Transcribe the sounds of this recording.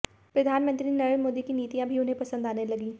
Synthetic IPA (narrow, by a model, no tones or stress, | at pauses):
pɾɐd̪ʱaːnmə̃nt̪ɾinəɾmoːd̪ikiniːt̪ijãbʱiʊnɦẽpɐsə̃nd̪aːnelɐɡiː